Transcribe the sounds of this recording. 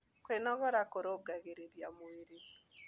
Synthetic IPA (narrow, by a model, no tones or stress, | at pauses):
kwenɔɣɔɾakoɾoɡaɣeɾeɾjamweɾe